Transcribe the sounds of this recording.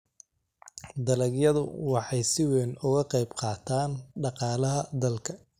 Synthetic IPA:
d̪ɐlɐɡjɐðʊ̰wɑħɑjsɪwɛnʊɣɐqɛjbqɑːt̪ʰaːnɖɑqɑːlɐɦɐd̪ɐlkʰɐ

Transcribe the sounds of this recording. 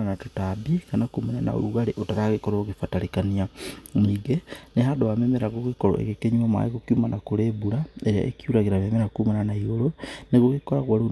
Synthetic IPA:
anatotabikanakumaɲana̰o̰ɾuɣaɾeʔotaɾaɣekɔɾooɣefataɾekaniamiːɣeneɦadowamemeɾaɣoɣekɔɾɔ̰ḛɣekeɲuama̰eɣokiumanakoɾeːbuɾaeɾea̰ʔḛkiuɾaɣeɾamemeɾakumananaiɣoɾoneɣoɣekɔɾaɣwaɾo

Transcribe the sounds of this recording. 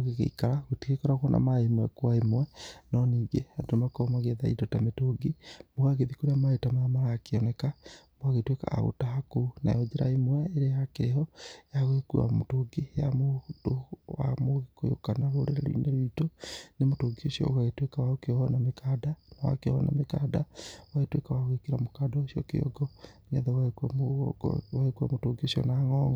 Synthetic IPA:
oɣeɣḛikaɾaɣotikekɔɾaɣwɔnʔa̰maemwɛkwaemwɛnɔniːɡehandomakɔmaɣeðaḭtɔtametoɡimoɣaɣeðikoɾeamaetamamaɾaːkeɔnɛkamboaɣetweka̰a̰ɣo̰tahakona̰jɔd͡ʒeɾa̰emwɛeɾeakeɾeɦɔjaɣoekua̰motoɡijamodowa̰moɣikojo̰kanaβoɾeɾḛɾḭneɾitonemotoɡiosiɔ̰ɣaɣetwekawaokeɔnamekadanawa̰keɔ̰ɔ̰na̰mekadawaetwekawaoɣekeɾamokadaosijɔ̰kḛɔ̰ɡɔneaðɛwaka | waekuamotoɡiosiɔ̰naŋɔŋɡɔ

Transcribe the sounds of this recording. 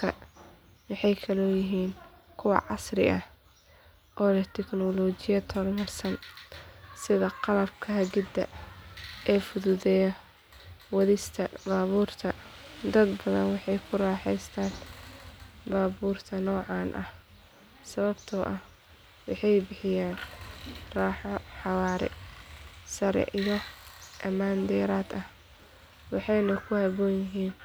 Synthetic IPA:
kʰɐ | wɑħɑjkʰɐlɔːjɪɦiːn | kʰʊwɑ̰ʕɑsrɪ̰ʔɐh | ʔɔːlɐt̪ʰɛknɔlɔːt͡ʃɪjɐt̪ʰɔrmɐrsɐn | sɪðɐqɑlɐbkʰɐɦɐɡɪd̪ɐ̰ | ʔɛːfʊðuðɛjɐ | wɐðɪst̪ʰɐbaːβuːrt̪ʰɐd̪ɐd̪bɐðɐ̰nwɑħɑjkʰʊraːħɛjst̪ʰaːn | baːbuːrt̪ʰɐnɔːʕɑːnʔɐh | sɐβɐbt̪ʰɔːʔɐh | wɑħɑjbɪħɪjaːn | raːħɔħɑwaːɾɛ̰ | sɐɾɛ̰ʔijɔʔɐmaːnd̪ɛːɾaːd̪ɐh | wɑħɑjnɐkʰʊhɐβɔːnjɪɦiːn

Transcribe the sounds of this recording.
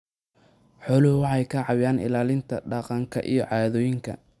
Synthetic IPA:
ħɔːlʊhʊwɑħɑjkʰɐʕɑwjaːnɪ̰laːlɪnt̪ʰɐɖɑqɑŋkʰɐ̰ʔḭjɞʕɑːðɔːjɪŋkʰɐ̰

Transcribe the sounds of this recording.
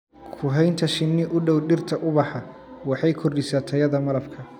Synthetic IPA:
kʰʊɦɛjnt̪ʰɐʃɪnːɪʔʊɖɔwɖɪrt̪ʰɐʔʊβɑħɑ | wɑħɑjkʰɔrɖɪsaːt̪ʰɐjɐðɐmɐlɐfkʰɐ

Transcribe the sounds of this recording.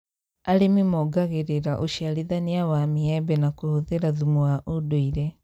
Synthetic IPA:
alimimɔɡaɣeɾeɾaʔuʃialiðaniawamiɛbɛnakuhuðeɾaðumuwaʔudoiɾɛ

